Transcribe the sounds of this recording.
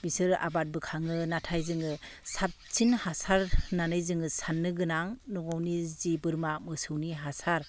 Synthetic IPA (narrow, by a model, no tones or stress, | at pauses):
bisɯɾa̰bat̚bɯkʰaŋɯnatʰajzɯŋɯsap̚t͡ʃinhasaɾnanɯjzɯŋɯsanːɯɡɯnaŋnɔŋawnizibɯɾmamɯsɯwniɦasaɾ